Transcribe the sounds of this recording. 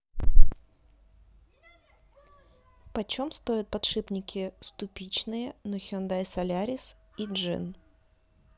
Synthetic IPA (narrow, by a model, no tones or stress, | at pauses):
pɐt͡ɕomst̪ojɪt̪̚pɐt̪ʂɨpnʲɪkʲɪst̪ʊpʲit͡ɕnɨjənɔxʲond̪ajsɐlʲaɾʲɪs | idʐɨ̰n